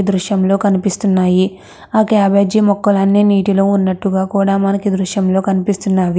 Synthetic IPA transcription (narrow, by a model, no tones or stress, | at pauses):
d̪ɾuʂjɐmlo̞ːkɐnipist̪unːaːji | aːkaːbed͡ʒimɔkːɐlɐnːiniːʈilo̞ːunːɐʈːuɡaːkuːɽaːmɐnɐkid̪ɾuʃjɐmlo̞ːkɐnipist̪unːaːʋi